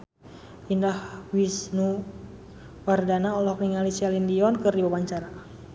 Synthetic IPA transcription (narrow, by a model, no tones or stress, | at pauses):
indahwisnu | wardanaɔlɔk̚niŋalisialindiɔnkɨrdibawaɲt͡ʃaɾa